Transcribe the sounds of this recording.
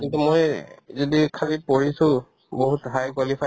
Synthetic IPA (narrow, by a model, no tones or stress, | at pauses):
kintumojzodikʰalipoɹisʊ̃ | boɦutbʱajkwalipʰa